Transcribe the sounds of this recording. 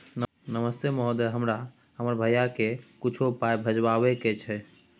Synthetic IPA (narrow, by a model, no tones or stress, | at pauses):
n | nəməst̪eməɦod̪eɦəmɾa | ɦəməɾbʱəjakekut͡ʃʰopaebʱəd͡ʒbaβeket͡ʃʰɛ